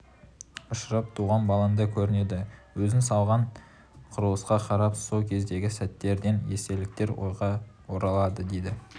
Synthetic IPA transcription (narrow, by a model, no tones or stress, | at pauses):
ʊʃəɾɑp̚t̪ʰuʁɑnbɑlˠɑnd̪ɑkʲʰɵɾɪne̞d̪ɪwɵzɪnsɑlˠʁɑɴ | qʰʊɾəlˠəsqɑqʰɑɾɑpso̞lˠkʲʰe̞zd̪e̞ɡʲɪsæt̪ːe̞ɾd̪e̞nje̞se̞lɪk̚t̪e̞ɾwo̰jʁɑ | woɾɑlˠɑd̪əd̪e̞jd̪ɪ